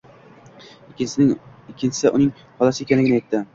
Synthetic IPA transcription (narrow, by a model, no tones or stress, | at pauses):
ɪkʲʰːɪnt͡ʃʰɪ̥sɪʔʊnɪŋ | hɒlˠasɪekʲanlɪɡʲɪnajet̪ːɪ